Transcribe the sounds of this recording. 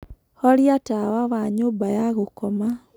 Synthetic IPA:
hɔliatawaβaɲoːbajaɣokɔma

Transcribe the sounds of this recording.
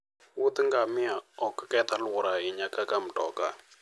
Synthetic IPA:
wʊt̪əŋɡamɪaɔkə̥kɛt̪alwʊɾaɪɲakakamʈɔ̰ka̰

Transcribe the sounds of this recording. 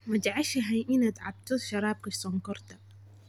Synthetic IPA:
mɐd͡ʒʕaʃɐɦɛjʔɪnaːd̪ʕɑb̚t̪ʰɔʃɐɾˤɑːb̚kʰɐsɔŋkɔrt̪ʰɐ

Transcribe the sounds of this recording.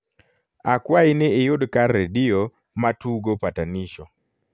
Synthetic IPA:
akwaɪnɛejʊdkarːedio | matuɡopataniʃɔ

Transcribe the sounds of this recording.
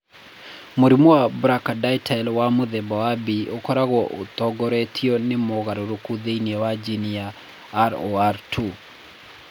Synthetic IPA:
moɾimowabɾakadaitʰaɛlwamoðɛmbawabiʔokɔɾaɣwɔʔotɔɡɔɾɛtʰiɔnemoɣaɾoɾokuðeinɛwad͡ʒinijaː | ɾoaɾtʰu

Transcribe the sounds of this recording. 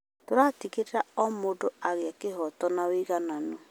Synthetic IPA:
toɾatiketaɔmodoaɣjakɪɦɔtɔnawiɣanano

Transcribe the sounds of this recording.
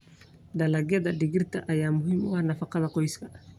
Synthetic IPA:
ɖ̪ɐlɐɡjɐðɐɖɪɣɪrt̪ʰɐʔɐjaːmʊɦimʊwhnɐfɑqɑðɐqɔjskʰɐ

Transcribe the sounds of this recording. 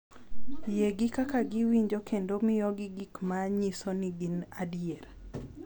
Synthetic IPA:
jeɡɪkakaɡɪwiɲd͡ʒokʰendomɪjɔɡɪɡikmaɲisonɪɡinadjeɾ

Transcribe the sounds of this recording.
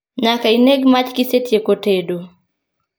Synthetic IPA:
ɲakaineɡmat͡ʃkisetjekotedo

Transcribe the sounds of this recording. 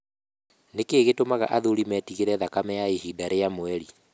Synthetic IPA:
nekeːɣetomaɣa̰ʔaðoɾimɛtiɣeɾɛðakamɛjaehidaɾejamwɛɾi

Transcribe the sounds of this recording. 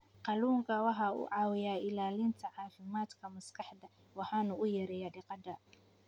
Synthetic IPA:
qɑluːŋkʰɐwɑħɑʊ̰ʕɑːwɪjaːʔɪlaːlɪnt̪ʰɐʕɑːfɪmaːd̪kʰɐmɐskʰɑħd̪ɐ | wɑħɑːnʊʔʊjɐɾɛjɐːɖɪqɑd̪ɐ

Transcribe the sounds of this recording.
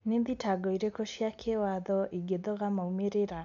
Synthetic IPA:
nenðitaɡɔiɾekoʃjakʰewaðɔʔiɡeðɔɣamaumeɾeɾa

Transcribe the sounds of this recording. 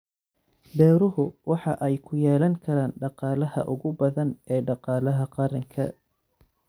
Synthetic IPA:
bɛːɾʊɦʊwɑħɑʔɛjkʰʊjɛːlɐŋkʰɐɾaːnɖɑqɑːlɐɦɐ̰ʔʊɣʊbɐðɐnɛːɖɑqɑːlɐɦɐqɑɾɐŋkʰɐ̰

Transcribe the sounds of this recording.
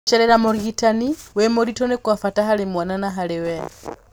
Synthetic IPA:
t͡ʃeɾeɾamoɾitaniwemoɾitonekwafataɦalemwananaɦalewe

